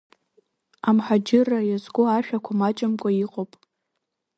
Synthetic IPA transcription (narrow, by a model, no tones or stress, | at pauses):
amħad͡ʒɪrajazɡʷoaʃᶣakʷʰamat͡ʃʼamkʷʼaiqʼopʼ